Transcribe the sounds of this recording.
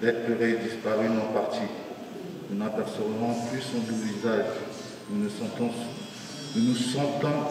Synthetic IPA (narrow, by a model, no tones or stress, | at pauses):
d̪ɛt̪əʁed̪ispaʁynɔpaʁt̪i | nunapɛʁsəvvɔ̃plysɔ̃d̪uvizaʒ | nuñt̪ɔ̃ | nunusɑ̃t̪ɔ̃